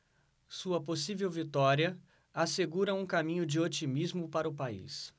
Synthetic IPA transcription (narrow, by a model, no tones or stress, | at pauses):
suɐposivewvit̪ɔɾiɐ | aseɡuɾɐũkamĩɲʊd͡ʒɪot͡ʃimizmʊpaɾɐʊpaḭs